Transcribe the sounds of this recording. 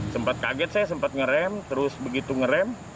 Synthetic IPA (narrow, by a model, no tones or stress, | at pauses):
səmpat̪̚kaɡɛt̪̚sɛsəmpat̪̚ŋəɾɛmt̪əɾʊsbəɡit̪uŋəɾɛm